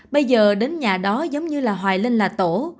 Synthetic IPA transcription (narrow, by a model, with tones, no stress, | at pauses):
ɓə˧jzəː˨˩ɗe˨˦nɲaː˨˩ɗɔ˨˦zə˨˦wŋ͡mɲɨ˧laː˨˩ɦwaː˨˩jli˧ŋ̟laː˨˩t̪o˧˩˨